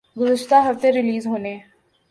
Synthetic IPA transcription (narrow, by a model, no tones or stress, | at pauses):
ɡʊzəʃt̪aɦɐft̪eɾɪliːzɦoːne